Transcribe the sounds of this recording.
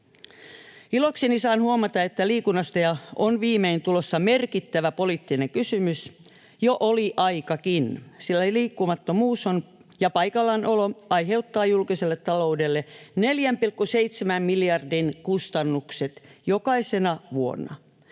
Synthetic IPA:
iloksinisɑːnhuomɑt̪ɑet̪ːæliːkunːɑst̪ɑjɑonʋiːmeint̪ulosːɑmerkit̪ːæʋæpoliːt̪ːineŋkysymys | joʔoliʔɑikɑkinsilːæliːkːumɑt̪ːomuːson | jɑpɑikɑlːɑnʔoloɑiɦe̞ut̪ːɑːjulkiselːet̪tɑlo̞udelːeneljæmpilkːuseit̪semæmmiljɑrdinkust̪ɑnːukset̪jokɑisenɑʋuo̰nːɑ̰

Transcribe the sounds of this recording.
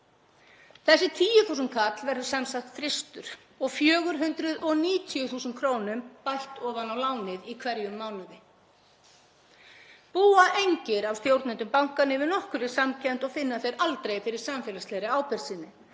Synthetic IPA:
θɛsːɪt̪ʰiːjʏθuːsʏnkʰat̪lvɛɾðʏsamsaht̪fɾɪst̪ʏɾ̥ | ɔɣfjœːɣʏɾɦʏnt̪ɾʏðɔniːt̪ʰiʏθuːsʏnt̪̚kʰɾoːwnʏmpajl̥t̪ɔːvanawlaːwnɪðikʰvɛɾjʏmːaːwlʏðɪ | puːaʔejɲcɪɾawst̪jowɾt̪nɛnt̪ʏmpawŋ̥kanːɪvɪnɔhkʏɾɪ̥samcʰɛn̥t̪ɔɣfɪnːaθejɾalt̪ɾejfɪɾɪɾ̥samfɛːlaslejɾɪaːwpɛɾ̥siːnːɪ

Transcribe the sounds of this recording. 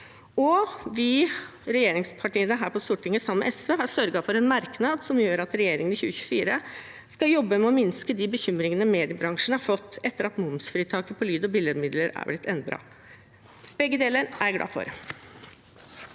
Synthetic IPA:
ɔʋiːɾɛjeːɾɪŋspʰɑʈiːənəɦæːɾpʰɔst̪ʊʈːɪŋəsɑmːɛ̰ʔɛsʋeːɦɑɾsœɾɡɑfɔɾɛnmɑɾknɑːd̪sɔmjøːɾɑt̪ɾɛjeːɾɪŋənɪçʉːəçʉ̥fiːɾə | skɑjɔbːəmɛɔmɪnskəd̪ibəçʏmɾɪŋənəmeːd̪ɪəbɾɑŋʂənəhɑɾfɔt̪ːɛt̪ːəɾɑt̪mʊmsfɾiːt̪ʰɑːkəpʰɔlyːd̪ɔbɪləd̪mɪd̪ləɾæ̰blɪt̪ʰːɛnd̪ɾɑ̰ | b̥ɛɡːəd̪eːləɾæɾɡɽɑ̰ːfɔ̰ɾ

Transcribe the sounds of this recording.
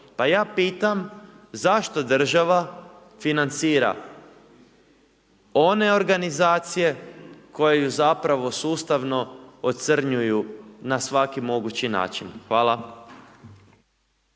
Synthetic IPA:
pajaːpiːt̪am | zaʃt̪o̞d̪r̩ʒaʋa | finant̪siːɾa̰ | o̞ne̞o̞ɾɡanizaːt̪sije̞ko̞jejuzapɾaʋo̞suːst̪aʋno̞ot̪sr̩ɲujunasʋakimo̞ɡut͡ɕina̰ːt͡ʃinxʋaːlˠa

